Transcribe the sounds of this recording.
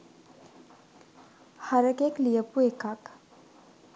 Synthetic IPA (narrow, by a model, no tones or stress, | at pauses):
haɾəkeklijəpuekak